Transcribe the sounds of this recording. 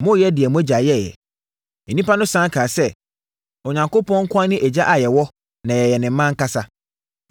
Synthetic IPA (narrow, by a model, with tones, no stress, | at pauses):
mʊ̃˦jɛ˦dɪ˨ɛ˨mũ˦æ˦d͡ʑa˨jɛ˦˨jɛ̰˨ | ɛ˨nĩ˦pʰa˦nʊ̃˦sã˦kʰaː˨sɛ˦ | ɔ˨ɲã˨ŋko˦pɔ̃˦ŋ̩˦kʰʊ˦a˦nɪ̃˦ʔæ˨d͡ʑa˦ʔa˨jɛ˨wɔ˦ | nã˨jɛ˨jɛ˨nɪ̃˨m̩˦mã˦ŋ̩˦ka˦sa˦